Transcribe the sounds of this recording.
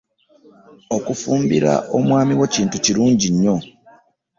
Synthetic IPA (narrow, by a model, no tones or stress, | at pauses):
okufuːmbiɾa̰ʔo̞mwaːmiweciːntuciɾuːɲɟiɲːo̞